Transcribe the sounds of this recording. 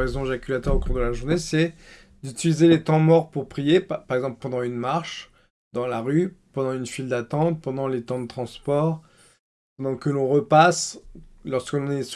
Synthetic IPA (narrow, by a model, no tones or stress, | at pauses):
ʁezɔ̃ʒakʲylat̪œʁokuʁd̪əlaʒuʁnesɛ | d̪yt̪ilizelet̪ɑ̃mɔʁpuʁpχijepaʁɛɡzɑ̃plpɑ̃d̪ɑ̃ynmaʁʃ | d̪ɑ̃laʁypɑ̃d̪ɑ̃ynfild̪at̪ɑ̃t̪̚pɑ̃d̪ɑ̃let̪ɑ̃d̪ət̪χɑ̃spɔʁ | pɑ̃d̪ɑ̃kəlɔ̃ʁəpaslɔʁskəlɔ̃nɛ